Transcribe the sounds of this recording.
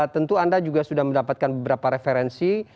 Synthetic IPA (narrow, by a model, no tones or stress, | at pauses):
t̪ənt̪uandad͡ʒuɡasudahməndapat̪̚kanbəbəɾapaɾefeɾɛnsi